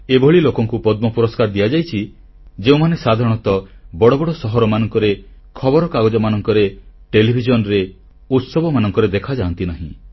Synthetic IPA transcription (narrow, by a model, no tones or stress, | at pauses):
ebʱɔɭilokɔŋkupɔd̪mɔpuɾɔskaɾd̪ijad͡ʒajt͡ʃʰi | d͡ʒeũmanesad̪ʱaɾɔɽ̃ɔt̪ɔbɔɽɔbɔɽɔsɔɦɔɾɔmanɔŋkɔɾekʰɔbɔɾɔkaɡɔd͡ʒɔmanɔŋkɔɾeʈelibʱid͡ʒɔnɔɾe | ut̪sɔbɔmanɔŋkɔɾed̪ekʰad͡ʒaːnt̪inaɦḭ̃